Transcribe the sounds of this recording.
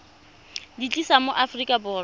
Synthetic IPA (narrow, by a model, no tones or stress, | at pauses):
dit͡ɬʼisamoʔafrikʼabʊːr